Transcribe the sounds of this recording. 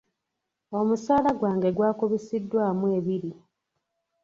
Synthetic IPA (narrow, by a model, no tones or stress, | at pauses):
o̞musaːlaɡwaːŋɡe̞ɡwaːkuβisidːwaːmuweːβiɾi